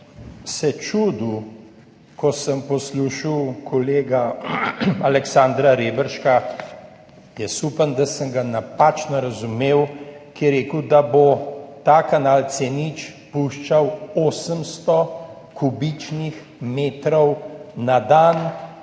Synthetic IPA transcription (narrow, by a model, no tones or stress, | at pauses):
sɛt͡ʃud̪u | kɔsəmpɔsluːʃiwkʰɔleːɡa | alɛksaːnd̪ɾaɾeːbəɾʃka | jɛsuːpənd̪asəŋɡanapat͡ʃnɔɾɐzumeːwkiɛɾeːkəwd̪abot̪aːkanalt̪seːnit͡ʃpuʃt͡ʃawoːsəmst̪ɔ | kubit͡ʃnix | meːt̪ɾɔwnad̪an